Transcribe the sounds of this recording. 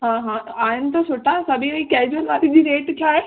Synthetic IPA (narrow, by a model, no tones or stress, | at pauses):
ɦãːɦãːaːɦɪnɪ̆t̪ɐsoʈasɐbʱiəikɛːd͡ʑuəlʋaːt̪id͡ʑiːɾeːʈt̪ʰiaːɦe